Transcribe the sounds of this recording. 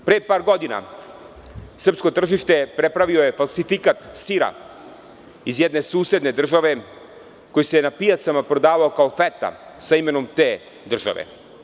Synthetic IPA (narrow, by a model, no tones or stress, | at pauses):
pɾepaːɾɡo̞d̪ina̰ | sr̩psko̞t̪r̩ʒiʃt̪e̞pɾepɾaʋio̞jefalˠsifikat̪siɾa̰ | izjɛd̪ne̞suːse̞d̪ne̞d̪r̩ʒaʋe̞ | ko̞jisenapiat̪samapɾo̞d̪aːʋao̞kaofet̪a̰ | saime̞no̞mt̪eː | d̪r̩ʒa̰ʋḛ